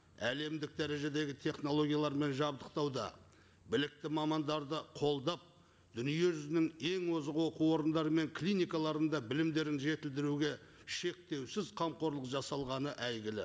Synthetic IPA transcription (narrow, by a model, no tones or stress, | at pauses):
æle̞md̪ɪk̚d̪æɾe̞ʒe̞d̪e̞ɡʲɪt̪ʰe̞χno̞lˠo̞ɡʲijalˠɑɾme̞nʒɑbd̪əqt̪ɑwd̪ɑ̰ | bɪlɪk̚t̪ɪmɑmɑnd̪ɑɾd̪əqʰo̞lˠd̪ɑp̚ | d̪ʏnije̞ʒʏzɪnɪŋe̞ŋwozʁəwo̞quwwo̞ɾənd̪ɑɾəme̞ŋkʰlinijkɑlˠɑɾənd̪ɑbɪlɪmd̪e̞ɾɪnʒe̞t̪ɪld̪ɪɾuɡʲe̞ʃe̞k̚t̪e̞wsɪzqʰɑmqo̞ɾlˠəqʒɑsɑlˠʁɑnəʔæjɡʲɪlɪ̰